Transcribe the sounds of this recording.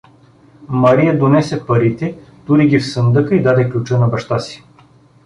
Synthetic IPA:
mɐɾijɐd̪onɛsɛpɐɾit̪ɛd̪̥uɾiɡʲifsənd̪ɤkəid̪ad̪ɛklʲut͡ʃɤnɐbɐʃt̪asi̥

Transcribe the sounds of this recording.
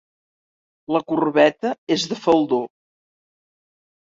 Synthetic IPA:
ləkurβɛt̪əezðəfəlˠd̪o

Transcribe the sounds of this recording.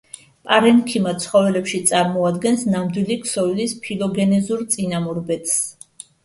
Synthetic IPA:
pʼaɾɛnkʰimat̪sʰχɔvɛlɛpʃit̪sʼaɾmɔad̪ɡɛnsnamd̪wilikʰsɔilispʰilɔɡɛnɛzuɾt̪sʼinamɔɾbɛt̪ʰʼs

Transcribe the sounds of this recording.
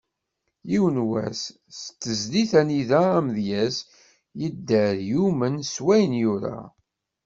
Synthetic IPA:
iwənwæ̰s | st̪ːəzliθæniðæːmðjæs | jəd̪ːæɾjumənswæjənjuɾa̰

